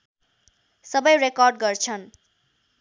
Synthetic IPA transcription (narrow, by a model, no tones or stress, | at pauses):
sʌbʌjrekɔrɖ̚ɡʌrt͡sʰʌn